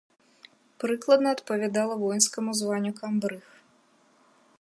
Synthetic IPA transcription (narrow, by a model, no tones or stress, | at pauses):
pɾɨklˠɐd̪nɐɐt̪pɐvʲad̪alˠɐvɔjnskɐmuzvanʲːukambɾɨx